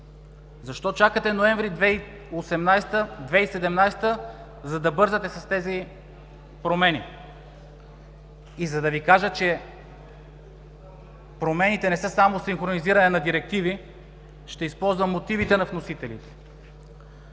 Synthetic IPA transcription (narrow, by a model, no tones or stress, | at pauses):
zɐʃt̪ɔt͡ʃakət̪ɛnoɛɱvɾid̪vɛ | osɛmnajst̪əd̪vɛisɛd̪ɛmnajst̪ə | zɐd̪ɐbɤɾzət̪ɛsɐst̪ɛzi | pɾomɛni | izɐd̪ɐvikaʒət͡ʃɛ | pɾomɛnit̪ɛnɛsɤsamosiŋxɾoniziɾɐnɛnɐd̪iɾɛk̚t̪ivi | ʃt̪ɛispɔlˠzvəmːot̪ivit̪ɛnɐvnosit̪ɛlit̪ɛ̥